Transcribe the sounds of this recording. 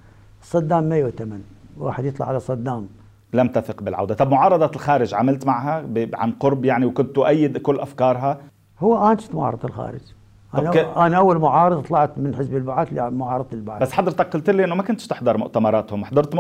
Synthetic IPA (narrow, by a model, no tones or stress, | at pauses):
ɨsˤːɑd̪ːaːmːajut̪amanwa̰ːħɪd̪jɨt̪ˤlɑ̰ʕalasˤɑd̪ːaːm | lamt̪aθɪqbɪlʕa̰wd̪at̪ˤɑbmʊʕɑːɾˤɑd̪ˤɑlxaːɾɪʒʕamalt̪maʕɦabʕa̰nqʊɾbjaʕniwkʊnt̪ːʊʔajːɪd̪kʊlːʔafkɑːɾˤɦa | hʊwːʔaːnʃɪ̥t̪mʊʕɑ̰ɾˤɑd̪ˤɪlxa̰ːɾɪ̰d͡ʒ | ʔanʔanaʔawːalmʊʕɑːɾˤd̪ˤt̪ˤlɑʕt̪mɪnħɪsbɪlbaʕad̪limʊʕɑːɾˤɑd̪ɪlbaʕabasːħɑd̪ˤɾt̪ɑk̚qʊlt̪ɪlːiʔɪnːomakʊnt̪ʃt̪ɪħd̪ˤɑɾˤmʊʔt̪amɑɾˤɑːt̪hʊmːaħd̪ɑɾˤt̪